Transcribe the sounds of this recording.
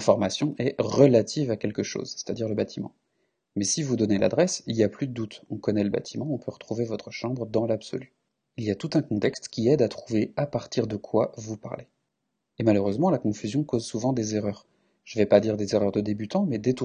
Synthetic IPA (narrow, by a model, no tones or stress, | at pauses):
fɔʁmasjɔ̃ʔɛʁəlat̪ʰivakʲɛlkəʃo̰zse̥t̪ad̪iʁləbat̪ʰimɑ̰̃ | mɛsivud̪ɔnela̰d̪ʁɛsiliaplyd̪əd̪ut̪ɔ̃kɔnɛləba̰t̪ʰimɑ̃ɔ̃pøʁət̪χuvevɔt̪χəʃɑ̃bʁəd̪ɑ̃labsɔ̰ly | ilijat̪ut̪ɛ̃kɔ̃t̪ɛkst̪kʲiɛd̪at̪χuveapaʁt̪iʁd̪əkʰwavupa̰ʁle | emaløʁøzmɑ̃lakɔ̃fyzjɔ̃kozsuvɑ̃d̪ezeʁœːʁ | ʒ̥əvɛpad̪iʁd̪ezeʁœʁd̪əd̪ebyt̪ɑ̃mɛd̪et̪u